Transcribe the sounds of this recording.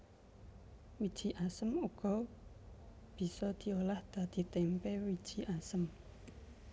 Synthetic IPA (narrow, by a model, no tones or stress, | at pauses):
wid̥ʒ̥i̤ʔasəmuɡ̥ɔ̤ | b̥i̤sɔd̪̥i̤olahd̪̥ä̤d̪̥i̤t̪ɛmpɛwid̥ʒ̥i̤ʔasəm